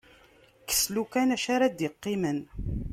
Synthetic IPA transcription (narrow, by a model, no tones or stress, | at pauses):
kə̥slukænæʃaɾad̪ɪqːimən